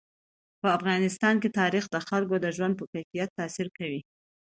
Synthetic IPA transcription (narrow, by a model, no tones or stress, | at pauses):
pəafɣɑnɪst̪ɑnket̪ɑɾixd̪əxalk̬od̪əʒwand̪̚pəkajfijat̪ːasiɾkawi